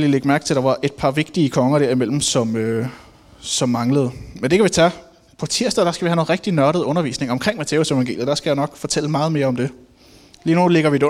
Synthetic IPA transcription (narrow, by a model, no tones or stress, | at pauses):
lileɡ̥mæɐɡ̥t͡sʰe̝ld̥ɑ̈ʋɑ̈ʔe̝d̥̚pʰɑ̈ʋe̝ɡ̥̚d̥iəkʰɒ̽ŋɐd̥eɐ̰imel̰m̩sɒ̽mø | sɒ̽mːɑ̈ŋləð̞̩ˠmend̥e̝kʰæʋit͡sʰæ | pʰɒ̽t͡sʰiɐd̥ðˠd̥ɑ̈sɡ̥æʋihæno̝ːn̩ʁɛɡ̥d̥inɶɐɾ̥ð̞̩ˠɔ̽nɐʋḭːsne̝ŋɒ̽mkʰʁeŋ̰mæt͡sʰe̝ʊse̝ʋɑŋɡe̝̰ːljð̩ˠd̥ɑ̈sɡ̥æjänɒ̽ɡ̥fɒ̽t͡sʰel̰əmɑ̈ːð̞̩ˠme̝ːɐɒ̽md̥e̝ | liːnule̝ɡ̥ɐʋid̥e